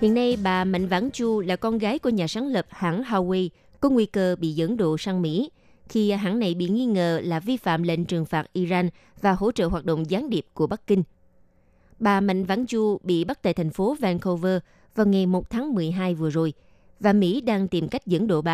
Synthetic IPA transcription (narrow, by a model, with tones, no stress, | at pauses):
hḭ˧˨ənːa˧jɓaː˨˩ma̰˧˨jŋ̟va̰ː˧˥nt͡ɕu˧laː˨˩kɔ˧nɣaː˨˦jku˧˩əɲaː˨˩saː˨˦nlə˨˩p̚haː˧˥ŋɦaː˧wwe˧j | kɔ˨˦ŋwi˧kəː˧ɓḭ˧˨zə̰˧˥ŋɗo̰˧˨saː˧ŋmḭ˧˥ | xi˧ɦaː˧˥ŋna˨˩jɓḭ˧˨ŋi˧ŋə̰ː˧˨laː˨˩vi˧fa̰ː˧˨mlḛ˧˨nt͡ɕɨ˨˩əŋfaː˨˩t̚ʔi˧zaː˧n | vaː˨˩ho̰˧˥t͡ɕə̰ː˧˨ɦwaː˨˩t̚ɗə̰˧˨wŋ͡mzaː˨˦nɗi˨˩əp̚ku˧˩əɓa˦˥k̚kï˧ŋ̟ | ɓaː˨˩ma̰˧˨jŋ̟va̰ː˧˥nt͡ɕu˧ɓḭ˧˨ɓa˦˥k̚t̪a̰ː˧˨jt̪ʰa˨˩ŋ̟fo˨˦vɛ˧nkʰo˧vəː˧ | vaː˨˩wŋa˨˩jmo˨˩t̚t̪ʰaː˨˦ŋmɨ˨˩əjɦaː˧jvɨ˨˩əzo˨˩j | vaː˨˩mḭ˧˥ɗaː˧ŋt̪i˨˩mka˦˥jk̚zə̰˧˥ŋɗo̰˧˨ɓaː˨